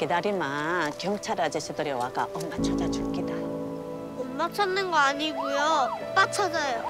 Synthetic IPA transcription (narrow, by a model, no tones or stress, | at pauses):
kɯdaɾimakjʌŋt͡ɕʰaɾad͡ʑeɕʰidɯɾjewaɡa̰ʔʌmːat͡ɕʰad͡ʑad͡ʑuɭkida | ʌmmat͡ɕʰʌnːɯnɡʌaɲiɡujot͈at͡ɕʰad͡ʑajo